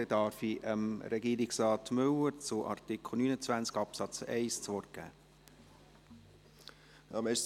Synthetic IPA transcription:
ɛdɑɾfiʔəmɾɛɡiːɾɪksɾɑːtmɵwəɾt͡sʊʔɑ̰rt̪ikʰl̩ˠnyːnət͡sʋænt͡skɑpsɑt͡sɛ̰ɪst͡sʋɔɾɡ̥æ̰ː | jɑmɛʃ

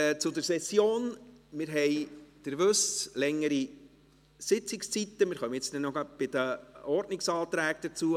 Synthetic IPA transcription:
t͡sʊd̪əɾsɛsjoːnmɪɾɦɛjd̪̥əɾʋɵslɛŋːəɾi | sɪt͡sɪkst͡sit̪ːəmɪːɾχœməɪt͡sd̪ɛnɔɡɑb̥ɪd̥̪əɔɾdnɪksɑːt̪ɾæːk̚d̥̪ət͡suə

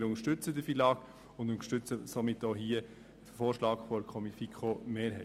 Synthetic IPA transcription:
ɾʊŋəʃtʏt͡səd̪əfilɑːk | ʊndʊntʃtʏt͡səsomɪtːoɦiːə | d̥əfoːɾʃlɑːɡfɔɾkʰɔmifikʰχomeːɾɦɛ

